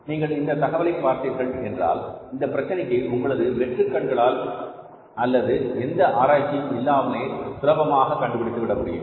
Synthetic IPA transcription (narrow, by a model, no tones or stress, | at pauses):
niːŋɡɐɭɪnd̪ɐt̪ɐɣɐʋɐlɐɪpːaːɾt̪iɾɣɐɭɛndra̰ːlɪnd̪ɐpːɪɾɐt͡ʃːɐnɪkːɐɪʊŋɡɐɭɐðɯʋɛʈrɯkːɐɳɡɐɭaːl | ɐlːɐðɯɛnd̪ɐʔaːɾaːt͡ʃːɪjɪlːaːmɐneːsʊɾɐbɐmaːɣɐkːɐɳɖɯpɪɽɪt̪ːɯʋɪɽɐmʊɽɪ̰jɯ̰m